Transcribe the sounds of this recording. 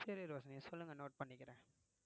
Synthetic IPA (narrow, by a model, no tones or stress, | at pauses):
sɛɾeɾoːsɐnɛsɔlːɯŋɡɐnoːʈ̚pɐɳːɪkːɪɾẽː